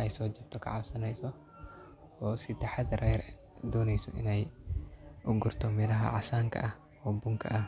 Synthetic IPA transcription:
ʔɛjsɔːd͡ʒɐbt̪ʰɔkʰɐ̰ʕabsɐnɛjsɔ | ɔːsɪt̪ɛħad̪ɐɾʔɛjɾ | d̪ɔːnɛjsɔ̰ʔɪ̰nɛj | ʔʊɡʊrt̪ʰɔmɪɾɐɦɐ̰ʕasaːŋkʰɐ̰ʔɐ | wɔbʊŋkʰɐ̰ʔɐ

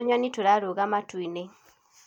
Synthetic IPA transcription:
ɲɔnitoɾaɾoɣamatwine

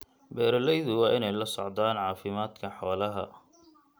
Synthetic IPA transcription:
bɛːɾɐlɛjðʊwɑːʔɪnɛjlɐsɔʕd̪aːnʕɑːfɪmaːd̪kʰɐħɔːlɐɦɐ̰

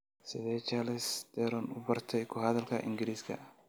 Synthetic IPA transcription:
sɪdɛt͡ʃalɪsd̪̥ɛɾɔnʊbɐrt̪ʰɛjkʰʊɦɐðɐlkɐʔɪ̰ŋɡɪɾiːskʰɐ̰

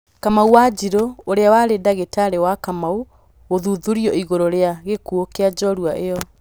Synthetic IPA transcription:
kamauwad͡ʑiɾooɾeawaɾedaɣetaɾewakamau | ɣoðuðuɾiɔiɣoɾoɾeaɣekuokead͡ʒɔɾuaʔejɔ

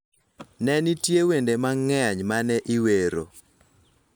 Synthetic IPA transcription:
nɛnitjewendemaŋɛɲmanɛʔiweɾo̰

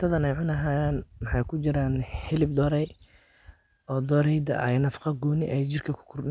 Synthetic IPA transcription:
t̪ʰɐðɐnɛjʕʊnɐɦaːjaːnmɑħɑjkʰʊt͡ʃɪɾaːnhɪlɪb̚d̪ɔːɾɛj | ɔːd̪ɔːɾɛjd̪ɐ̰ʔɐ̰jnɐfqɑɡuːnɪʔɛjt͡ʃɪrkʰɐkʰʊ̥kʰʊrɪ

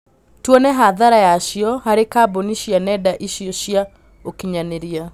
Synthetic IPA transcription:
twɔnɛɦaðaɾajaʃiɔhaɾekaːboniʃianɛdaʔiʃioʃia | okiɲaneɾia

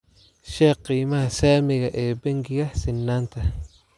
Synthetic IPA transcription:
ʃɛːqːiːmɐɦɐsaːmɪɣɐʔɛːbɐŋɡɪɣɐsɪnːaːnt̪ʰɐ

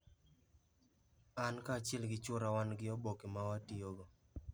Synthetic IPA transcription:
ankaːt͡ʃɛlɡɪt͡ʃʊɾawanɡɪɔbokemawatioɡɔ

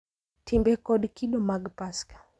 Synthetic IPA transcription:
tʰimbɛkɔɗkiɗɔmaɡpaskḁ

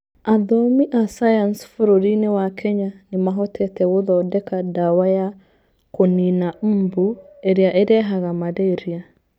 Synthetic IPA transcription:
aðɔmiʔasajansfoɾoɾinewakʰɛɲanɪmaɦɔtʰɛtɛwoðɔdɛkadawaja | koninam̩ːbueɾjaʔeɾɛɦaɣamaɾeɾia

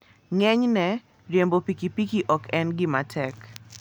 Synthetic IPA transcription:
ŋɛɲnɛ | ɾjembopikipikiʔɔkɛnɡɪmatʰɛk

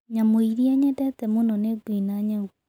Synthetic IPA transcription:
ɲamoiɾiaɲɛtɛt̪ɛmonɔnetwinaɲɛu

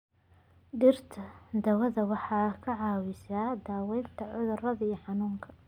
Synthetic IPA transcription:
ɖɪrt̪ʰɐd̪ɐwɐðɐwɑħɑːkʰɐʕɑːwɪsaːd̪aːwɛjnt̪ʰɐʕʊðʊrɐðɐijɞħɑnuːŋkʰɐ̥

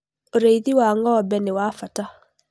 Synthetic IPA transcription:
oɾeiðiwaːŋɡɔːbɛnewaːfata

